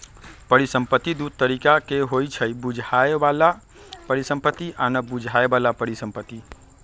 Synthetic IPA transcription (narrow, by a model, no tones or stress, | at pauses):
pəɾisə̃mpət̪ːid̪ud̪̚t̪ːəɾikakeɦojt͡ʃʰəjbud͡ʒʱaebala | pəɾisə̃mpət̪ːiʔanəbud͡ʒʱaebalapəɾisəmpət̪ːi